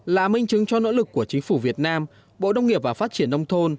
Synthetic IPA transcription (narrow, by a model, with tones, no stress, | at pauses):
la̰ː˧˨˩mï˧ŋt͡ɕɨ˨˦ŋt͡ɕɔ˧no̰˧˥lɨ˨˩kːu˧˩ət͡ɕï˨˦ŋ̟fu˧˩vi˨˩ət̚naː˧m | ɓo̰˧˨ɗə˧wŋ͡mŋi˨˩əp̚vaː˨˩faː˦˥t̚t͡ɕi˧˩ənːə˧wŋ͡mt̪ʰo˧n